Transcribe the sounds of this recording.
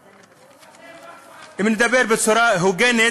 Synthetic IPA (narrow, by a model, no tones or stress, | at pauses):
imnid̪ɐbeːɾbet̪soɾaɦuɡene